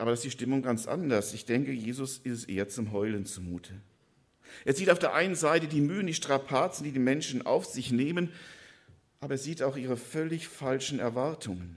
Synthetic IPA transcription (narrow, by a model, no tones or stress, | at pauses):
ʔaːbɐɾaɪstd̥iːʃtɪmʊŋɡant͡sʔa̰ndɐsɪçd̥ɛŋkəjeːzʊsɪstsʔḛːɐt͡sʊmɦɔʏlənt͡sumuːtʰə | ʔeːɐziːtaʊfdeːɐʔaɪnənzaɪtədiːmyːəndiːʃtʁ̥apʰaːt͡sn̩diːdiːmɛnʃn̩ʔa̰ʊfz̥ɪçneːmən | ʔaːbɐeːɐziːtaʊxʔiːʁəfœlɪçfalʃn̩ɛ̰ɐvaɐtʰʊŋən